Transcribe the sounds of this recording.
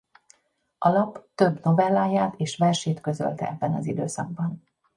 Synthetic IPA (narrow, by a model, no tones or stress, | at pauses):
ʔɒlɒpt̪ø̞bno̞vɛlːaːjaːt̪eːʃʋɛrʃeːt̪kø̞zø̰lt̪ɛ̰ʔɛbːɛnɒ̰zid̪øːsɒ̰ɡ̚bɒn